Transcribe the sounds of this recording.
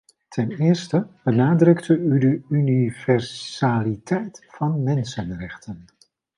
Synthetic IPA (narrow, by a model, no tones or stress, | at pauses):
tʰɛnɪːɹstəb̥ənaːdrɵktʰəydəynivɛɹsaːlitɛjtfɑnmɛnsənrɛχtʰən